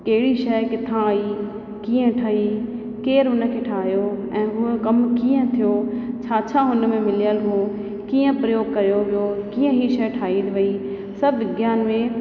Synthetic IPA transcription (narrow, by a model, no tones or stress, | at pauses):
kɐɦɪɽiʃɐjkɪt̪ʰãi | kiːə̃ʈʰaɦi | keːɾɦʊnə̆kʰeːʈʰaːɦijoɛ̃ːɦʊkɐmkiːə̃t̪ʰijot͡ɕʰaːt͡ɕʰaɦʊnmẽmɪlijəlɦo | kiːə̃pɾɐjoːɡ̚kɐɾijoʋijokiːə̃ɦiʃɐjʈʰaːɦinʋɐi | sɐbʱɡjaːnmẽ